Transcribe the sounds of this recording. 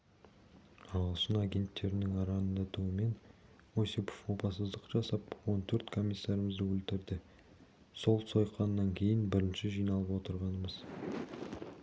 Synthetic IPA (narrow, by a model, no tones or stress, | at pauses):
ɑʁˠəʃənɑɡʲe̞nt̪ːe̞ɾɪnɪŋɑɾɑnd̪ɑt̪uəme̞n | wosepo̥fo̞pɑsəzd̪əqʒ̥ɑsɑpwo̞nt̪ʰɵɾt̪kʰo̞mʲijsːɑɾəməzd̪əwɵlt̪ɪɾd̪ɪ | so̞lˠso̞jqʰːɑnːɑŋkʲʰe̞jɪnbɪɾɪnʃɪʒijnɑlˠəpwot̪əɾʁɑnəməz